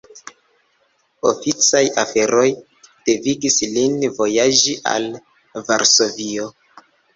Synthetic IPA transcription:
o̞̰fit͡sajafe̞ɾʔo̞j | d̥e̞viɡislinvo̞jaʒiʔa̰l | vaɾso̞vio

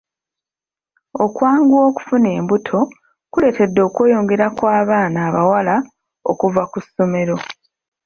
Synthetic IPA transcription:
o̞kwaːŋɡuo̞ːku̥fune̞ːmbutʰo̞ | kule̞ːte̞dːo̞ːkwe̞ːjo̞ːŋɡe̞ɾakwaːβaːnaːβawala | o̞̰kuvakusːo̞me̞ɾo̞

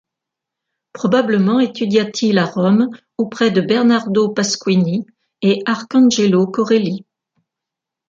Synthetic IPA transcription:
pχɔbabləmɑ̃et̪yd̪jat̪ʰilaʁɔm | opχɛd̪əbɛʁnaʁd̪opaskwini | eaʁkɑ̃ʒelokɔʁeli

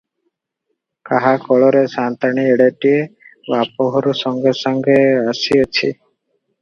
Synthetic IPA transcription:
kaɦakɔɭɔɾesant̪aɽ̃ieɽeʈiebapɔɦɔɾsɔŋɡesɔŋɡeasiet͡ʃʰḭ

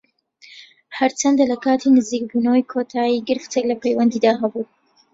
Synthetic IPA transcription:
hɐɾt͡ʃʰɐnd̪alɐkaːt̪ʰinɨziːk̚bunɐwəjkʰot̪ʰaːjiːɡɨɾɨft̪ʰeklɐpʰejwɐnd̪iːd̪aːɦɐbuː

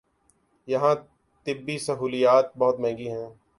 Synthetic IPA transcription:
jɐɦãː | t̪ɪbːisəɦuːlijaːt̪̚bɔɦʊt̪mɛ̃ːŋ̆ɡiɦɛ̃ː

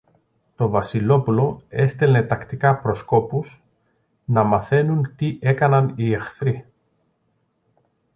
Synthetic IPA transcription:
t̪o̞vɐsilo̞pulo̞e̞st̪ele̞t̪ɐkt̪ikɐpɾo̞sko̞pus | nɐmɐθe̞nunt̪iʔe̞kɐnɐniexθɾi

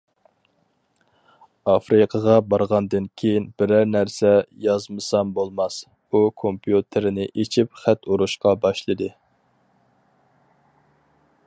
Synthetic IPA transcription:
ɑfɾɨqʰəʁɑbɑɾʁɑnd̪ɨnkʲʰejinbɪɾæɾnæɾsɛjɑzmɨsɑmbolˠmɑs | ukʰompʰjut̪ʰɪɾɪnɪʔet͡ʃʰipχæt̪uɾuʃqɑbɑʃlˠɨd̪ɨ

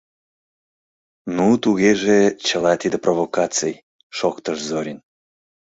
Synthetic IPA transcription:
nut̪uɣeʒet͡ɕəlɑt̪id̪əprʔovokɑt͡sej | ʃokt̪əʃzoɾʲin

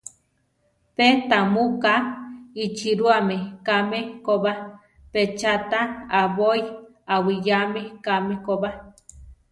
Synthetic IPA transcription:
pet̪amukait͡ʃiɾuamekamekoβa | pet͡ʃat̪aaβoj | awijamekamekoba

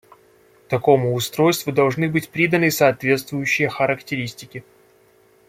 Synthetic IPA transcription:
t̪ɐko̞mʊːst̪ɾo̞jst̪vʊd̪ɐlˠʐnɨbɨtʲpɾʲid̪ənɨsɐːt̪vʲe̞t̪st̪vʊjʉɕːɪjəxəɾəktʲɪɾʲisʲtʲɪkʲɪ

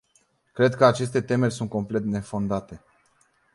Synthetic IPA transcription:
kɾe̞d̪kəat͡ʃe̞st̪e̞t̪e̞me̞rʲsunt̪̚ko̞mple̞t̪ne̞fo̞nd̪at̪e̞

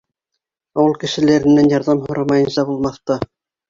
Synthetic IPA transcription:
ɑwɤlˠkɘ̆ʃɘ̆læɾɘ̆nːænjɑɾðɑmhŏɾɑmɑjɤ̆nsɑbulˠmɑθt̪ɑ

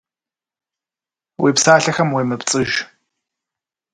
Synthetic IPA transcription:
wʔḭːpsaːɬɐxɐmwiːmɨpt͡sʼɨʒ

